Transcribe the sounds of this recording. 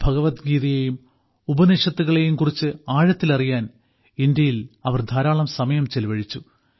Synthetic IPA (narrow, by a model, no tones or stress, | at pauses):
bʱɐɣɐʋɐt̪ɡiːðɐjejum | ubɐniʂɐt̪ːuɣɐɭe̞jumkurit͡ɕːɨaːɻɐt̪ːilɐrijaːn | ind̪jɐjilɐʋɐrd̪ʱaːɾaːɭɐmsɐmɐjɐmt͡ɕelʋɐɻit͡ɕːu